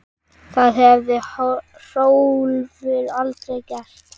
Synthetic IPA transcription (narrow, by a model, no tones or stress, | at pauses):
θaðɦɛvðɪ | r̥oːwlvɪɾalt̪ɾejcɛst̪